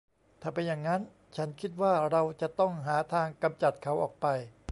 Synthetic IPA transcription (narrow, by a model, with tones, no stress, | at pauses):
t̪ʰaː˨˩pe˧njaː˨˩ŋːa˦˥n | t͡ɕʰa˦˥nkʰi˦˥t̪̚waː˥˩ɾa˧wt͡ɕa˨˩t̪ɔ˥˩ŋɦaː˩˦t̪ʰaː˧ŋka˧mt͡ɕa˨˩t̪̚kʰa˩˦˥wʔɔː˨˩k̚pa˧j